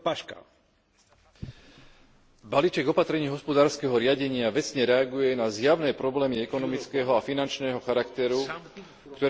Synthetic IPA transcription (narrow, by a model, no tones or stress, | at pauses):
paʃka̰ | baliːt͡ʃɛɡɔpat̪ɾɛɲiːɦɔspɔd̪aːɾskɛɦɔɾɪaɟɛɲɪaʋɛt͡sɲɛɾɛaɡujɛnazjaʊnɛːpɾɔblɛːmiɛkɔnɔmit͡skɛːɦɔafinant͡ʃnɛːɦɔxaɾakt̪ɛɾu | kt̪ɔ